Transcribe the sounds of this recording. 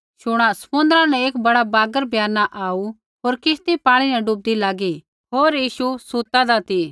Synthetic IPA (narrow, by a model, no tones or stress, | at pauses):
ʃʊɽ̃ãsɐ̥mʊ̃nd̪əɾãnɛ̃eːkbɐɽabaːɡəɾbʱjaːnaʔaːu | ɦoːɾkɪst̪ipãːɽ̃inɛɖub̚d̪ilaːɡi | ɦoːɾjiːʃusuːt̪ad̪at̪i